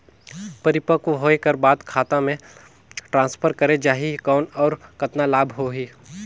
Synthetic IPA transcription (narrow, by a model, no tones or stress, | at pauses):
pɐɾɪpəkuɦoːekɐɾbaːd̪kʰaːt̪ãmẽ | ʈɾãːnspʰəɾkɐɾed͡ʒaːɦikɔːnɔːɾkɐt̪nalaːbʱɦoːɦiː